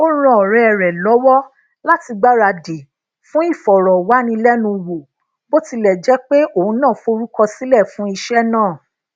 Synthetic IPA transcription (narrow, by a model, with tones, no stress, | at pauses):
o˦ɾ̃ã˦˨ɔ˨ɾɛ˨ɛ˨ɾɛ˨lɔ˨˦wɔ˦ | la˦ti˧ɡ͡ba˦ɾa˧de˨ | fũ˦i˦˨fɔ˨ɾɔ˨wa˨˦nĩ˧lɛ˦nũ˧wo˨ | bo˦ti˧lɛ˨d͡ʒɛ˨˦k͡pe˦o˦˨ũ˧˦nãː˦˨fo˧ɾu˦kɔ˧si˦lɛ˦˨fũ˨˦i˧ʃɛ˦nãː˦˨